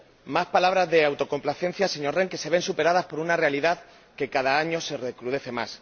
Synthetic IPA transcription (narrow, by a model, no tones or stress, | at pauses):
maspalaβ̞ɾazðe̞awt̪o̞ko̞mplaθe̞n̟θjase̞ɲo̞ɾre̞ŋke̞se̞βensupe̞ɾaðaspo̞ɾunare̞aliðað | ke̞kaðaaɲo̞se̞re̞kɾuð̞e̞θe̞ma̰s